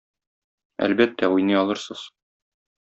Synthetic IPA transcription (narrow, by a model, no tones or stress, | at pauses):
æ̰lbæt̪ːæujnɤjɒlˠɤ̆ɾsɤz̥